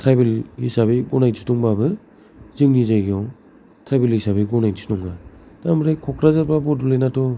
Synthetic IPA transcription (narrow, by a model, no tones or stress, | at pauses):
tʰɾajbelhisabiɡɔnajtʰitɔŋbabɯ | zɯŋnizajɡijɔ | tʰɾajbelhisabiɡɔnajdstɔŋɡatamɾajkʰɔkʰɾazaɾpabɔdulejnatɔ